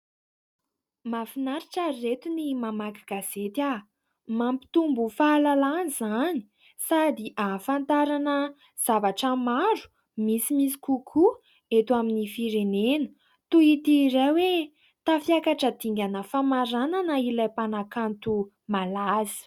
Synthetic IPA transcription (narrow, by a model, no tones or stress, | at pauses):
mafinaɾiʈ͡ʂairet̪unimamakaɡ̥az̥et̪a | mampi̥t̪umbufalalanizani̥ | sad̪iʔafant̪aɾanə | z̥avaʈ͡ʂəmaɾu̥ | misimisi̥kukʰu | et̪waminifiɾenenə̥ | t̪uit̪iɾewe | t̪afiakaʈ͡ʂəd̪̥iŋɡʲanəfamaɾananəilajpanakant̪u | malazi̥